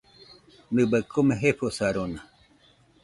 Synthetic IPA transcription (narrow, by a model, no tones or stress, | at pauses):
nɨbəkʰomẽɦeɸosaɾona